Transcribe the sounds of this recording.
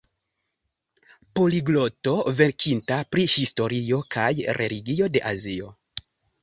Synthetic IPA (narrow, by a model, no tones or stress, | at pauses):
po̞liɡlo̞to̞ve̞ɾkʰintapɾihisto̞ɾio̞kʰajɾʔe̞liɡio̞de̞ʔazio̞̰